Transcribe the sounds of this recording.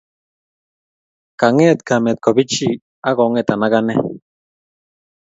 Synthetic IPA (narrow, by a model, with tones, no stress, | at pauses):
ka˨ŋɛ˦t̪ka˨mɛ˨t̪̚kɔ˨bi˦t͡ʃi˦ | a˦ɣɔ˨˦ŋɛ˨t̪a˨na˦ɣa˦nɛ˦